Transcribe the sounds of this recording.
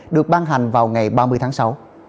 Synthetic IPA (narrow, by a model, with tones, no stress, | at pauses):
ɗɨ˨˩ək̚ɓaː˧nɦa˨˩jŋ̟vaː˨˩wŋa˨˩jɓaː˧mɨ˧əjt̪ʰːŋsa˨˦w